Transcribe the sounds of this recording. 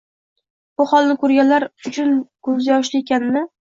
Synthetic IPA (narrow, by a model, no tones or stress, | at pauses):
b̥ʊχɒlˠnɪkʰɵɾɡʲanlaɾʊt͡ʃʰʊnɡ̥ʰʊlzɪjɒʃlɪekʲʰanɪnɪ